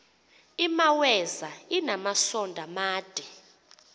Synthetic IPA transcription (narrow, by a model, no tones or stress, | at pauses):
imawɛzainamasɔndʱamaːd̥ʱʼɛ